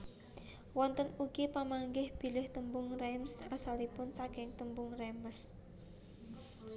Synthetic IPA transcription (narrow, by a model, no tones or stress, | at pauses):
wɔnt̪ənuɡipamaŋɡɪhb̥i̤lɪht̪əmbʊŋremsasalipʊnsakɪŋt̪əmbʊŋreməs